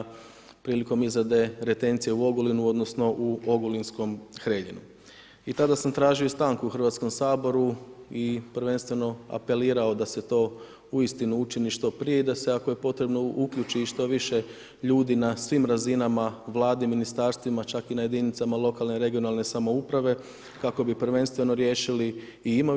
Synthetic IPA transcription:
pɾiːliko̞mizad̪e̞ɾe̞t̪e̞nt̪sije̞uo̞ɡolinuo̞d̪no̞sno̞ʔuo̞ɡolinsko̞mxɾeʎḭnu | it̪ad̪asamt̪ɾaːʒiost̪aːŋkuuxr̩ʋat̪sko̞msaːbo̞ɾuipɾ̩ʋe̞nst̪ʋe̞no̞a̰pe̞liːɾao̞d̪ase̞t̪o̞ː | uist̪inuut͡ʃiniʃt̪o̞pɾije̞id̪aseako̞je̞po̞t̪ɾe̞bno̞ukʎut͡ʃiʃt̪o̞ʋiʃe̞ | ʎuːd̪inasʋimɾazinamaʋlˠaːd̪eminist̪aːɾst̪ʋimat͡ʃakinaje̞d̪init̪samalˠo̞kalˠneɾe̞ɡijo̞nalˠne̞samo̞upɾaʋe̞ | kako̞bipɾ̩ʋe̞nst̪ʋe̞no̞ɾje̞ːʃiliː | imo

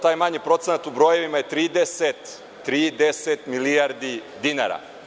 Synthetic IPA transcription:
t̪aːjmaɲipɾo̞t̪senat̪ubɾoːje̞ʋimajet̪ɾiːd̪eset̪ː | ɾiːd̪eset̪milijaɾd̪id̪ina̰ɾa̰

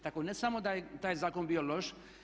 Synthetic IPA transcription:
t̪akonesamod̪ajet̪aːjzaːkonbiːjolo̞ʃ

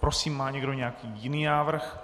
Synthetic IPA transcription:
pɾosiːmːaːɲɛɡdo̞ɲɛjakiːjɪniːnaːvr̩x

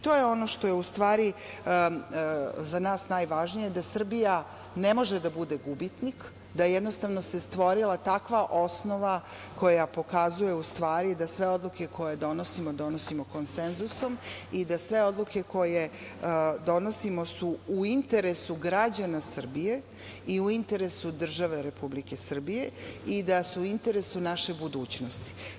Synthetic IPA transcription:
t̪ojeo̞no̞ʃt̪o̞jeust̪ʋaːɾi | zanaːsnajʋaʒnije̞d̪asr̩bija | nemo̞ʒed̪abud̪eɡubit̪nik | d̪ajɛd̪nost̪aʋno̞se̞st̪ʋo̞ɾilˠat̪akʋaʔo̞sno̞ʋa | ko̞japo̞kazuje̞ust̪ʋaːɾid̪asʋe̞o̞d̪luke̞kʰo̞jed̪o̞no̞simod̪o̞nosimoko̞nsenzuso̞mid̪asʋe̞o̞d̪luke̞ko̞je̞ | d̪o̞nosimo̞suːint̪e̞ɾesuɡɾad͡ʑanasr̩bije̞ | iuint̪e̞ɾe̞sud̪r̩ʒaʋe̞ɾe̞publike̞sr̩bijeid̪asuuint̪e̞ɾesunaʃe̞bud̪uːt͡ɕnost̪i̥

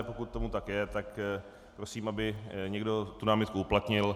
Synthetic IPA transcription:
po̞kut̪̚tːo̞mut̪akjɛt̪ak | pɾosiːmʔabɪɲɛɡdo̞t̪unaːmɪt̪̚kuuplat̪ɲɪl

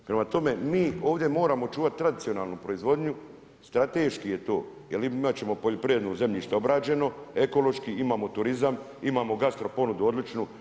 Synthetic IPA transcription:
pɾe̞mat̪o̞me̞miːo̞ːʋd̪jemo̞ːɾaːmo̞t͡ʃuːʋat̪̚t̪ːɾad̪it̪io̞naːlˠnupɾo̞izʋo̞d̪ɲu | st̪ɾat̪e̞ːʃkije̞t̪o̞̰ː | jelimat̪̚t͡ɕe̞mo̞poʎopɾijed̪noze̞mʎiʃt̪eobɾaːd͡ʑe̞no̞e̞ko̞lo̞ʃkiimaːmot̪uɾizam | imaːmo̞ɡast̪ɾo̞po̞nud̪uo̞d̪lit͡ʃnu

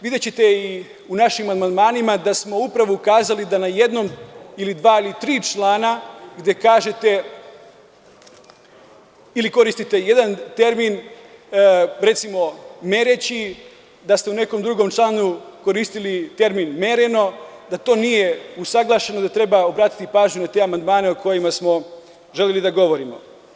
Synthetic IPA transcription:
ʋid̪et͡ɕet̪e̞i | unaʃimanmand̪maːnimad̪asmo̞upɾaʋoukaːzalid̪anaje̞d̪no̞milid̪ʋaːilit̪ɾiːt͡ʃlˠaːnaɡd̪e̞kaːʒe̞t̪e̞ | iliko̞ɾist̪it̪e̞je̞d̪ant̪e̞ɾmin | ɾe̞t̪simo̞me̞ɾet͡ɕi | d̪ast̪e̞une̞ko̞md̪ɾuɡo̞mt͡ʃlˠaːnuko̞ɾiːst̪ilit̪e̞ɾminme̞ɾe̞no̞ | d̪at̪o̞ːnijeusaɡlˠaʃe̞no̞d̪at̪ɾe̞baobɾaːt̪i̥t̪ipaːʒɲunat̪e̞amand̪maːne̞oko̞jimasmo̞ | ʒe̞lʲje̞lid̪aɡo̞ʋo̞ɾimo̞̰

